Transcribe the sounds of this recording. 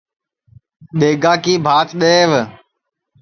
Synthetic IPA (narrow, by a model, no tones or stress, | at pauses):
ɗeːɡaːkiːbʱaːt̪ɗeːʋ